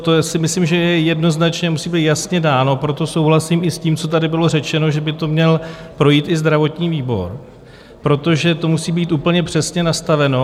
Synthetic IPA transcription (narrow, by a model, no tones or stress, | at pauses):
t̪osɪmɪslimʒɛjɛjɛdno̞znat͡ʃɲɛmusiːbiːt̪jasɲɛdaːnopɾo̞t̪o̞so̞wɦlasimɪsciːmt͡so̞t̪̬adɪbɪlo̞rɛt͡ʃɛno̞ʒɛbɪt̪o̞mɲɛlpɾo̞jiːt̪ɪzd̪ɾavo̞t̪ɲiːviːbo̞̰ɾ | pɾo̞t̪o̞ʒɛt̪o̞musiːbiːt̪ʔuːpl̩ɲɛpr̝̥ɛsɲɛnast̪avɛno̞